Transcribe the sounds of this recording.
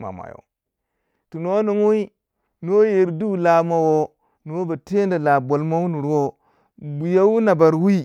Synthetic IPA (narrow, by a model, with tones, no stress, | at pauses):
ma̰˨ma̰˨jo̰˨ | tu˨no˦nu˨mu˦i˦ | no˦je˨ɾdu˦la˨ma˦wo˦ | nu˨wo˦ba˨te˦nda˨la˨bo˨lma˦wu˦nu˨ɾwo˦ | bu˨ja˦wu˦na˨ba˨ɾwi˦